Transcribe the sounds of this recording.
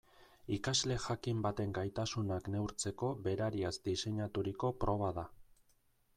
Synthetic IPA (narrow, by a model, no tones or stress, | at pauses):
ikazle̞ʝakimbat̪e̞ŋɡajt̪asunakne̞wɾt͡se̞ko̞βe̞ɾaɾiazd̪ise̞ɲat̪uɾiko̞pɾo̞β̞aða